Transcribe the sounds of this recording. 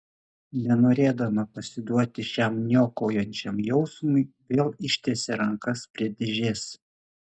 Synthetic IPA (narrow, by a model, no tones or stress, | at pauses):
nʲɛnoːɾʲeːd̪ɐmɐpɐsʲɪd̪uɔt̪ʲɪʃʲæˑmnʲoːkoːjɛnʲt͡ʃʲɛmjɛʊsmʊɪʋʲeːlˠɪʃʲt̪ʲesʲɛɾɐŋkɐspʲɾʲiɛd̪ʲɪʒʲeːs